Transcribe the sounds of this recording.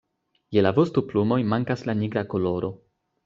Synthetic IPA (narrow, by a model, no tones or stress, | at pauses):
jelavostuplumo̞jmaŋkaslaniɡɾako̞lo̞ɾo̞